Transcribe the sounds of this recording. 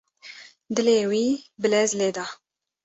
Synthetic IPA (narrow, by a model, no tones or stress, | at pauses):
d̪ɨleːwiːbɨlɛzleːd̪ɑ